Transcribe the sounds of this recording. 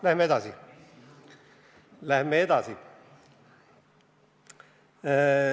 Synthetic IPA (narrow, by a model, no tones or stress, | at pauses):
læhmːeed̪ɑsi | læhmːeed̪ɑsi